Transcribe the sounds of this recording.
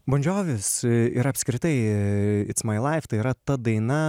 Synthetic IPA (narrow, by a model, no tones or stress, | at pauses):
bɐnʲd͡ʒʲoːʋʲɪsɪ̰ɾɐpʲsʲkɾʲɪt̪ɐɪɪt̪smɐɪlˠɐɪft̪ɐɪiːɾɐt̪ɐd̪ɐɪnɐ